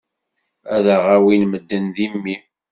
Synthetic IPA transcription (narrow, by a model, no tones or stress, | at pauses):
æðəʁæwinməd̪ːənðimːi